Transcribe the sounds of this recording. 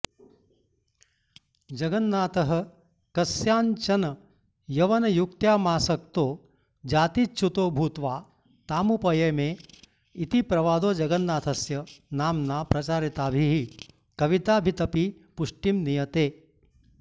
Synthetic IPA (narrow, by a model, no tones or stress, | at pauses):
d͡ʒɐɡɐnːaːt̪ɐɦɐ̆ | kɐsjaːnt͡ʃɐnɐ | jɐʋɐnɐjukt̪jaːmaːsɐk̚t̪oː | d͡ʒaːt̪it͡ʃʰːut̪oːbʱuːt̪ʋaː | t̪aːmupɐjeːmeː | it̪ipɾɐʋaːd̪oːd͡ʒɐɡɐnːaːt̪ʰɐsjɐnaːmnaːpɾɐt͡ʃaːɾit̪aːbʱiɦi | kɐʋit̪aːbʱit̪ɐpi | puʂʈimnijɐt̪eː